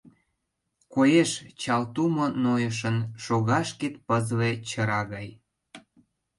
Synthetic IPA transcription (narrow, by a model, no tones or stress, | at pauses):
kojeʃt͡ɕɑlt̪umonojəʃ̬ənʃoɣɑʃket̪̚pəzlet͡ɕəɾɑɣɑj